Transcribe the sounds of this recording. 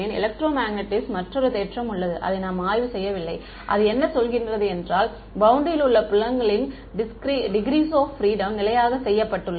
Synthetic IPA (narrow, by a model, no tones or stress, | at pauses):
ɪnɪ̰lɐk̚ʈɾoːmaːɡnɐʈːɪsmɐʈrɔɾɯt̪eːʈrɐmʊɭːɐðɯʔɐ̰ðɐɪnaːmaːjʋɯsɛjːɐʋɪlːɐɪ | ʔɐ̰ðɯɛnːɐsɔlɣɪndrɐðɯɛndraːl | bɐʊɳɖ̪ɪjɪlɯɭːɐpɪɭːɐŋɡɐɭɪn | ɖɪskɾiːɖɪɡɾiːsoːffɾiːɽɐmnɪlɐjaːɣɐsɛjːɐpːɐʈːɯɭːɐ